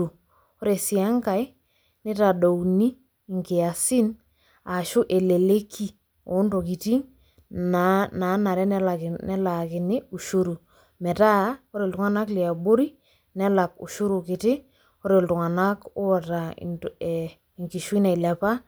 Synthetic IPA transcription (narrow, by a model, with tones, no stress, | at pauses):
u˨ | o˦ɾe˨si˨a˦ŋka˨j | nɪ˦ta˨do˨wni˦˨ | ŋkɪ˨a˨sɪ˦n | a˨ʃʊ˦ʔe˨le˨le˦kʰi˦ | o˨˦nto˨ki˨ti˦ŋ | nna˨˦na˨ɾɛ˦n˦nɛ˦la˨kɪ˨nɪ˦u˨ʃu˦ɾu˨ | mɛ˨ta˦o˦ɾe˨ltʊ˨ŋa˦na˦kli˨a˨bo˦ɾi˦ | nɛ˦la˨k̚ṵ˨ʃu˦ɾu˨kɪ˨tɪ˦ | ɔ˦ɾe˨ltʊ˨ŋa˨na˦kʊ˦ɔ˨ta̰˨ | ŋki˨ʃwi˦na˨jla˨pa˦